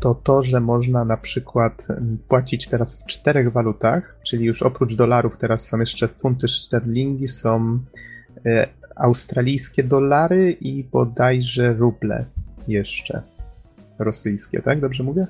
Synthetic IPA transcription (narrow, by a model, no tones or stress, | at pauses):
t̪ɔt̪ɔʐɛmɔʐnanapʂɘkwat̪pwat͡ɕit͡ɕt̪ɛɾasft͡ʂt̪ɛɾɛɣvalut̪axt͡ʂɘlʲijuʂɔpɾud͡ʐd̪ɔlaɾuft̪ɛɾasːɔ̃w̃jɛʂt͡ʂɛfunt̪ɘʂt̪ɛɾlʲiŋɡʲisɔ̃w̃ | awst̪ɾalʲijskʲɛd̪ɔlaɾɘʔibɔd̪ajʐɛɾublɛ̰jɛʂt͡ʂɛ̰ | ɾɔsɘjskʲɛ̰t̪aɡ̚d̪ɔbʐɛmuvʲjɛ